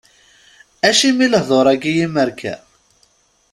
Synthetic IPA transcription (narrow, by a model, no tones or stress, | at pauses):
æʃimiləhðˤoɾˤæɡijiməɾkʰæ̰